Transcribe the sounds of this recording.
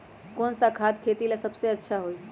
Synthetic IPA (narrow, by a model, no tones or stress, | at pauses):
konsakʰad̪kʰet̪ilesəbseətːʃʰaɦoj